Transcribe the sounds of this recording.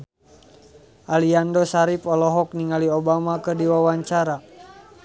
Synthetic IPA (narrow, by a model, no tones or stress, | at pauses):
ʔaliandɔsaɾipɔlɔɦɔk̚niŋaliɔbamakɨrdiwawaɲt͡ʃaɾa